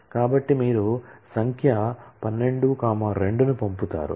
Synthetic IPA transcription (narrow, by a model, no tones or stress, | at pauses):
kaːbɐʈːimiːɾusɐŋkʰjɐpɐnːe̞ɳɖukaːmɐːɾe̞ɳɖunupɐmput̪a̰ːɾṵ